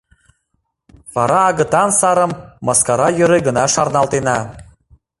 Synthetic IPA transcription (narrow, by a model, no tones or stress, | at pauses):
βɑɾɑːɣə̆t̪ɑnsɑɾə̆mːɑskɑɾɑjø̆ɾeɡə̆nɑʃɑrnɑlt̪enɑ